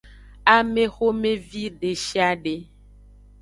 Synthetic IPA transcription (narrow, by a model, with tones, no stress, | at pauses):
a˦me˦xo˦me˦vi˦ɖe˨ʃi˦a˦ɖe˨